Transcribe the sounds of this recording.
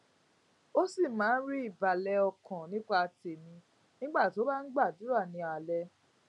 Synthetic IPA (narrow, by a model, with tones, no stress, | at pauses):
o˦si˦˨mãː˨˦n̩˦ɾi˦i˦˨ba˨lɛ˧ɔ˧kɔ̃˨nĩ˨˦k͡pa˧a˧te˨mĩ˧ | nĩ˦ɡ͡ba˦˨tĩ˨˦o˦ba˦n̩˦ɡ͡ba˦˨du˨˦ɾa˦˨nĩ˨˧˦a˨lɛ˧